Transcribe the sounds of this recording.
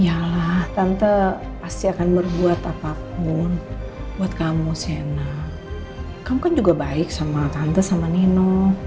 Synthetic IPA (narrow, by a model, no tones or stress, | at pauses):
jalaht̪ant̪ə | past̪iakanmərbuat̪apap̚ʊnbuat̪̚kamusana | kamukand͡ʒuɡabaɪk̚samat̪ant̪asamanino